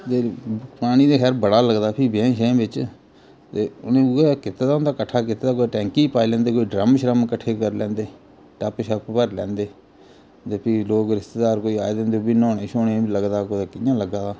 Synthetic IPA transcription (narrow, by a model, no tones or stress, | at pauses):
t̪eːpaːñiːd̪eːkʰɛːɾbəɽaːləɡd̪aːpʰiːbẽːʃẽːbɪt͡ʃ | t̪eːʊnẽːekɪt̪ːeːd̪aːʊ̃nd̪aːkəʈʰːaːkɪt̪ːeːd̪aːkoːʈɛ̃ːŋkiːpaːilɛ̃ːnd̪eːkoːiːɖɾəmʃəɾəmkəʈʰeːkəɾlɛ̃ːnd̪eː | ʈəpʃəppəɾlɛ̃ːnd̪eː | t̪eːpʰiːloːɡɾɪst̪eːd̪aːɾkoːiːa̰ːed̪ẽːnd̪eoːiːnɔːneːʃoːneːiːləɡd̪aːkoːd̪aːkɪjãːləɡaː